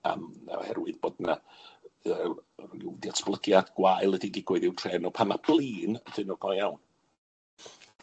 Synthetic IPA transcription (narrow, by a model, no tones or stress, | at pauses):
a̰mna̰hɛ̰rwɨðb̥oːdna | əːɪwdiatsb̥lˠəɡjad̥ɡ̥wajlˠədiɡiɡwʊɨðɪwtʰrɛːnɔpʰamab̥lˠiːnəd̥ɨnɔɡ̥ɔjawn